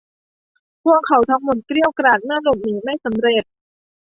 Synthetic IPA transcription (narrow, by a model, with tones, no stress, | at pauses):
pʰu˧˥˩əkʰːa˨˩˦wt̪ʰɔː˧ŋmo˨˩t̪̚kɾi˥˩əwkɾaː˨˩t̪̚naː˥˩ɾo˨˩p̚niː˨˩˦ma˥˩jsa˩˦mɾe˨˩t̪̚